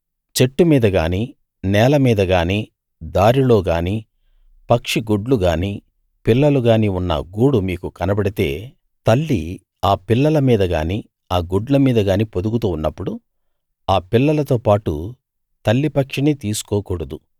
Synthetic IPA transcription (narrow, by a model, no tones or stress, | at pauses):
t͡ʃe̞ʈːumiːd̪ɐɡaːniː | nɛːlɐmiːd̪ɐɡaːniː | d̪aːɾilo̞ːɡaːniː | pɐkʂiɡuɖluɡaːniː | pilːɐluɡaːniːunːɐ̰ɡuːɽumiːkukɐnɐbɐɽit̪e̞̰ː | t̪ɐlːḭ | aːpilːɐlɐmiːd̪ɐɡa̰ːniː | aːɡuɖlɐmiːd̪ɐɡaːniːpod̪uɡut̪uːunːɐpːuɽu | aːpilːɐlɐt̪o̞ːpaːʈṵ | t̪ɐlːipɐkʂinit̪iːsu̥kɔːkuːɽɐd̪u